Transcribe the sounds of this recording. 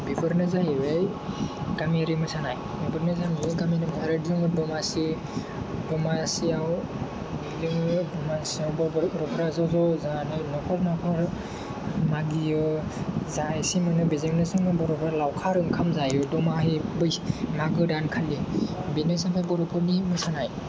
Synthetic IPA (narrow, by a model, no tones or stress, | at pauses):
bibʰɯɾnɯzaɦiwej | ɡ̥amiɾimɯsanaj | bibɯɾnɯzaniɡaminimasaɾajdizɯŋɯdɔmasi | dɔmasiaw | bizɯŋɯbɔmasiawbɔbɾɔpʰɾazɔzɔzanɯnɔkʰɔɾnɔkʰɔɾ | maɡijɯzajsimanɯbizɯŋnɯsɯŋɯbɔɾɔbɔɾlawkʰaɾɯŋkʰamzajɔdɔmaɦibɯjmaɡɯdankʰalːibinɯsampʰajbɔɾɔpʰɔɾnimɯsanaj